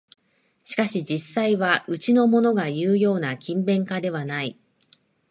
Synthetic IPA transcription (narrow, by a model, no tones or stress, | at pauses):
ɕi̥kaɕid͡ʑisːaiβaɯ̟t͡ɕino̞mo̞no̞ɡajɯ̟ːjo̞ːnakʲĩmbẽ̞ŋkad̪e̞β̞anai